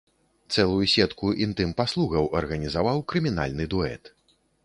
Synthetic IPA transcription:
t̪sɛlˠujusʲɛt̪kuʔint̪ɨmpaslˠuɣɐwʔɐrɣɐnʲizavawkɾɨmʲin̪a̰lʲnɨd̪uɛ̰t̪

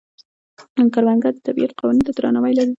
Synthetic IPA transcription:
aŋkaɾwaŋɡad̪ət̪abiat̪̚qawnint̪ad̪ɾa̰nawajlaɾi

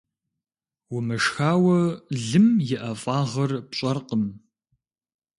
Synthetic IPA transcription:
wʊmɨʂxaːwɐɮɨmjɪʔɐfʼaːʁɐrpɕʼɐrqəm

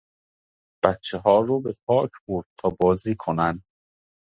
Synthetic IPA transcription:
b̥æt̪t͡ʃʰeɦɒːɾoːbepʰɒːcʰboɾd̪̥̚t̪ʰɒːbɒːziːkʰonænd̪

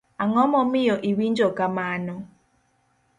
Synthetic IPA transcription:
aŋɔmɔmijɔʔiwind͡ʒɔkamaːnɔ

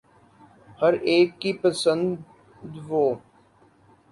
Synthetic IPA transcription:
həɾeːkːipəsə̃nd̪d̪ | d̪ʋoː

